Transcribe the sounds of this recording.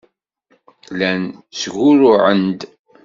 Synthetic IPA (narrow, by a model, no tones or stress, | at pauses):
lænsɣʊɾʊʕənd̪